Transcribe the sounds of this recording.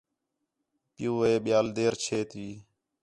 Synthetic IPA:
pɪjuːʋeːɓɪjaːld̪eːɾt͡ʃʰeːt̪ʋiː

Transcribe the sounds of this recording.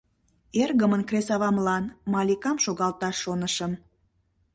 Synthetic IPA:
erɣəmənkresɑβɑmlɑnmɑlʲikɑmʃoɣɑlt̪ɑʃːonəʃən

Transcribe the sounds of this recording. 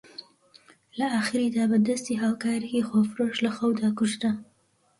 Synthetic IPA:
lɐaxɪɾid̪aːbəd̪əst̪iɦaːwkaːɾijixofɾoʃlɐxawd̪aːkʊʃt̪a

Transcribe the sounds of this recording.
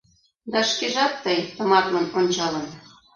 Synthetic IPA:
d̪ɑʃkeʒɑt̪ːəjt̪ə̆mɑrlɤnonʲt͡ɕɑlɤn

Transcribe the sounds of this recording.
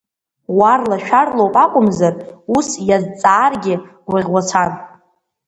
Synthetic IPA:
warlaʃᶣarlo̞wpʼakʷʼʊmzarusjazt͡sʼaːrɡʲɪwiʁʷwat͡sʷʰan

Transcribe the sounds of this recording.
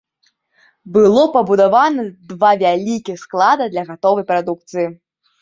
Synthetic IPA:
bɨlˠɔpɐbud̪avanɐd̪vavʲalʲikʲixsklˠad̪ɐd̪lʲɐɣat̪ɔvɐjpɾad̪uk̚t̪sɨji

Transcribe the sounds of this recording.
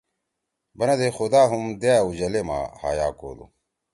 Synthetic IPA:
bɐnɐd̪exud̪aːɦumd̪eaud͡ʑɐlema̰ːha̰ːja̰ːko̰ːd̪ṵ

